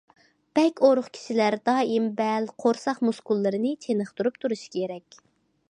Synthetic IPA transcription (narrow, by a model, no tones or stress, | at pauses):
b̥ɛkʲoɾʊχkʲʰi̥ʃilæɾd̪ɑːimbælqʰoɾsɑχmuskulˠːɨɾɨnɨt͡ʃʰenəχt̪uɾup̚t̪ʰuɾuʃi̥kʰʲeɾɛkʲ